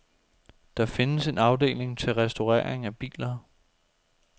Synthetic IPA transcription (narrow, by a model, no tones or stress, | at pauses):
d̥ɑ̈fe̝nəse̝nɑ̈ʊd̥e̝̰ːle̝ŋt͡sʰe̝lʁɛsd̥o̝ʁɛ̰ːɐ̰eŋæb̥ḭːlɐ